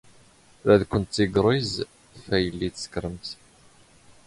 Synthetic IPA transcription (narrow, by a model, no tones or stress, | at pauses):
ɾæðkʷənt̪ːiɡɾˤiz | fæjəlːiθə̥skɾəmt̪